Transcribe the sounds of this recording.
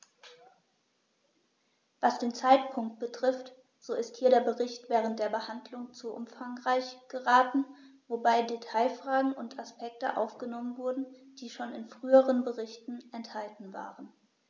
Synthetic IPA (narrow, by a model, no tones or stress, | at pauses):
vasd̥eːnt͡saɪtpʰʊŋk̚t̚b̥ətʁ̥ɪft | z̥oːɪsthiːɐɾeːɐbəʁɪçtv̥ɛːʁ̞ənt̚d̥eːɐbəhandlʊŋt͡suʔʊ̰mfaŋʁaɪçɡ̥əʁaːtn̩ | vobaɪdetʰaɪfʁ̥aːɡŋ̩ʊntʰaspʰɛk̚tə̰ʔa̰ʊfɡ̥ənɔmənvʊɐdn̩d̥iːʃoːnɪnfʁ̥yːəʁənbəʁɪçtn̩ʔɛnthaltn̩va̰ːʁən